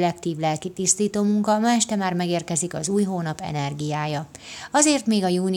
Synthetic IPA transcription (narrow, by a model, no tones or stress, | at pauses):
lɛkt̪iːvlɛlkit̪ist̪iːt̪oːmuŋkɒmaɛʃt̪ɛmaːrmɛɡeːrkɛzikɒ̰zuːjɦoːnɒpɛ̰nɛrɡijaːjɒ | ɒzeːrt̪meːɡɒjuːn